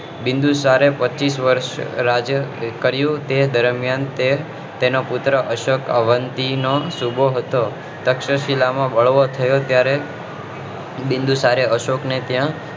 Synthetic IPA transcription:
bɪnd̪usaɾepət͡ʃisʋəɾʃɾad͡ʒəkəɾjũt̪ed̪əɾmjant̪e | t̪enopʊt̪ɾəʔəʃokəʋənt̪inosubʱoɦət̪o | t̪əkʃəʃilamãbəɭʋot̪ʰəjot̪jaɾe | bɪ̃nd̪usaɾeəʃoknet̪jã

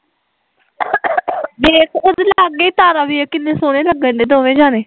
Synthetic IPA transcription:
bekʊd̪laːɡeːt̪aːɾaːbiːeːkɪnːẽːsoːneːləɡə̃nd̪eːd̪oːʋẽːd͡ʒaːneː

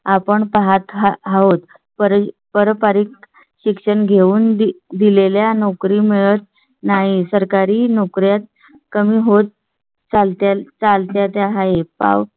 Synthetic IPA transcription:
apəɳpaɦat̪ɦaɦaɦot̪ | pəɾ | pəɾpaɾik | ɕikʂəɳɡʱeuːnd̪ileljanɔkɾiːmeɭət̪̚ | naɦisəɾkaɾiːnɔkɾjat̪̚ | kəmiːɦot̪̚ | t͡salt̪at͡salt̪jat̪jaɦaepa̰ʋ

